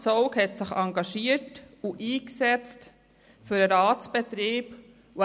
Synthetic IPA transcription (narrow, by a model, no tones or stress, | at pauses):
sɔʊkhɛtsɪχɑŋɡɑʃiətuʔiːksɛt͡st | fʏɾəɾɑːt͡sb̥ɛt̪ɾiːb | u